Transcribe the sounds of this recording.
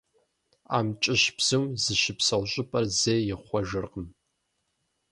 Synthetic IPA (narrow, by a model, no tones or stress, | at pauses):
a̰ːmt͡ʃʼɪʃpz̥ɨwzɨʃɪpsɐʁʷɕʼɪpʼɐrzejɪχʷɔʒɨrqəm